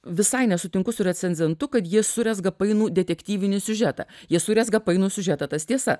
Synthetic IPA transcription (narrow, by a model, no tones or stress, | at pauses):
ʋʲɪsɐɪnʲɛsʊt̪ʲɪŋkʊsʊɾʲɛt͡ssʲɛnʲzʲɛnt̪ʊkɐt̪jiɛsʊɾʲɛsɡɐpɐɪnuːd̪ʲɛt̪ʲɛkt̪ʲiːʋʲɪnʲɪsʲʊʒʲæt̪ɐ̰ːjiɛsʊɾʲɛsɡɐpɐɪnuːsʲʊʒʲæt̪ɐːt̪ɐst̪ʲiɛsɐ